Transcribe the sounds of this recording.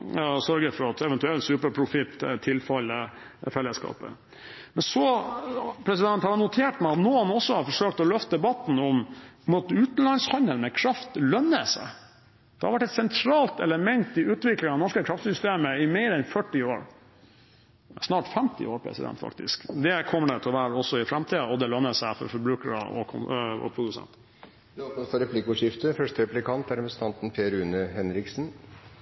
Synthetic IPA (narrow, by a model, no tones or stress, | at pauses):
sœɾɡəfɔɾɑt̪ɛʋɛnt̪ʉɛlsʉːpəɾpʰɾʊfɪt̪ːt̪ʰɪlfɑlə | fɛlːəskɑ̰ːpə̰ | mɛnsɔ | pʰɾɛsɪd̪ɛnt̪hɑɾənʊt̪ʰeːʈmæɪɑt̪noːɑnɔsːɔhɑɾfɔʂøːk̚t̪ɔlœft̪əd̪ɛbɑt̪ːn̩ɔmmut̪ʉːt̪n̩lɑnshɑnd̪əlmɛkʰɾɑft̪lœnːəsæ̰ɪ | d̪̥ɛhɑɾʋæʈːɛt̪sɛnt̪ʰɾɑːlt̪ɛ̰ləmɛnt̪ɪʉːt̪ʋɪklɪŋɑnɔʂkəkʰɾɑft̪sʏst̪eːməɪmeɪɾɛnfœʈːɪoːɾ | snɑːʈfɛmt̪ɪ̰oːɾpʰɾɛ̰sɪd̪ɛ̰nt̪fɑ̰kt̪ɪ̰skd̪ɛkʰɔmːəɖɛt̪ʰɛlɔʋæːɾəɔsɔɪfɾɛmt̪ʰiːd̪əɔd̪ɛlœnːəsæɪfɔ̰ɾfɔɾbɾʉːkəɾə̰ʔɔ̰kʰʊ̰ɔ̰pʰɾʊd̪ʉsɛ̰nt̪ | lopnət̪fɔɾɛpʰlɪkʊːʂɪft̪əfœʂʈəɾɛplɪkʰɑnt̪æɾɛpɾəsn̩t̪ʰɑnt̪n̩pʰeːɾʉːnəhɛnɾɪksn̩